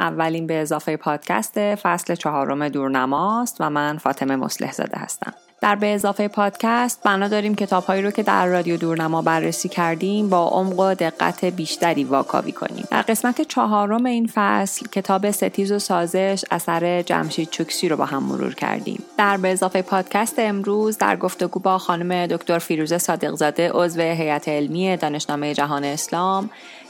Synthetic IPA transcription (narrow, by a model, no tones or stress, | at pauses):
ʔævːæliːnbeːzɒːfejepʰɒːd̪̥cʰæ̰st̪e̞fæsle̞t͡ʃʰɒɦɒːɾo̞me̞d̪uːɾnæmɒːst̪væmænfɒːt̪ʰe̞me̞mo̞̰sle̞̰hzɒ̰ːd̪e̞̰hæ̰st̪æ̰m | d̪̥æɾbe̞ːzɒːfejepʰɒːd̪̥cʰæst̪̚bænɒːd̪ɒːɾiːmcʰe̞t̪ʰɒːb̥hɒːjiɾocʰe̞d̪æ̰ɾːɒːd̪ijod̪uɾnæmɒːbærːesiːcʰæɾd̪imbɒːʔomɢod̪e̞ɣːæ̰t̪ʰe̞biːʃt̪æɾiːvɒːkʰɒ̰ːvḭːkʰo̞̰nḭːmd̪æ̰ɾɢe̞smæt̪ʰet͡ʃʰɒɦɒːɾo̞me̞iːnfæslcʰe̞t̪ʰɒːbe̞se̞t̪ʰiːzo̞sɒːze̞ʃæ̰sæɾe̞d͡ʒæ̰mʃiːd̪̚t͡ʃʰukʰsiːɾo̞bɒ̰ːɦæmːo̰ɾṵːɾcʰæ̰ɾd̪ḭːmd̪̥æɾbeːzɒːfejpʰɒːd̪̥cʰæst̪eemɾuːzd̪æ̰ɾɡo̞ft̪e̞ɡuːbɒːxɒːnume̞d̪o̞kʰt̪o̞ɾfiːɾuːzesɒːd̪e̞ɣzɒːd̪e̞ʔo̞zve̞ɦejæt̪ʰeːlmiːe̞d̪ɒːne̞ʃnɒːme̞je̞d͡ʒæɦɒːneːslɒːm